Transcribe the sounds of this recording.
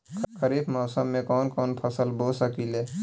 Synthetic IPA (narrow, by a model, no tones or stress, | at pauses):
kəɾiːbmɔːsəmːẽkɔːnkɔːnpʰəsəlbosəkile